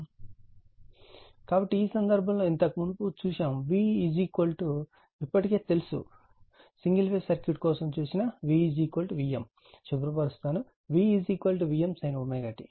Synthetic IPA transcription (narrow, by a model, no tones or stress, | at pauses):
kaːbɐʈːiːsɐnd̪ɐɾbʱɐmlo̞ːint̪ɐkmunuput͡ʃuːʃaːmʋiːid͡ʒiːkɐlʈu | ipːɐʈike̞ːt̪e̞lusṵ | siŋɡilpeːsɐɾkjuʈkɔːsɐmt͡ʃuːsinɐʋiːd͡ʒiːkɐlʈʋiːjem | ʃubɾupɐɾust̪aːnu | ʋiːiːd͡ʒiːkʋɐlʈiʋijemsɐjnomeːɡaːʈi